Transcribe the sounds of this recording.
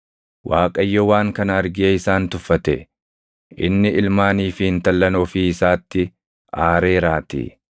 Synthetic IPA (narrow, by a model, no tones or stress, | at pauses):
wʔaːkʼɐjːɔwaːŋkɐnɐɐɾɡɪɐɪsaːnt̪ʊfːɐt̪ɛ̰ | ʔɪ̰nːɪɪlmaːniːfɪɪnt̪ɐlːɐnɔfiːɪsaːt̪ːɪ | aːɾe̞ːɾaːt̪ḭ